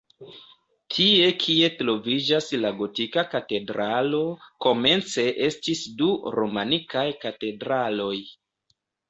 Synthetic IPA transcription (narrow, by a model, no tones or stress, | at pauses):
tʰie̞kʰie̞tɾo̞vid͡ʒaslaɡo̞tikakate̞dɾalo̞ko̞me̞nt͡se̞ʔe̞stisduɾo̞manikajkate̞dɾalo̞j